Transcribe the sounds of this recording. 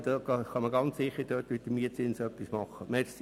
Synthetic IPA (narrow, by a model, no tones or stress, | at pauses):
d̥̪ɑɑχɑməɡɑnt͡ssɪχːəɾd̥øːtʋɪt̪əmiətsɪnsœpːismɑχːəmɛɾs